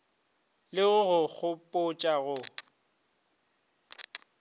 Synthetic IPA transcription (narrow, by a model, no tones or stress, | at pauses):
lɪɣʊɣʊɣʊpʼʊt͡ʃʼaɣʊ